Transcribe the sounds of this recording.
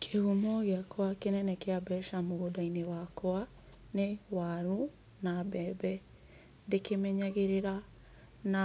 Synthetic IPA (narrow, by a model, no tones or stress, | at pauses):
kʰehumɔɣeakʰoakenɛnɛkeabɛʃamoɣodainewakɔa | newaɾu | nabɛbɛ | dekemɛɲaɣeɾeɾa | na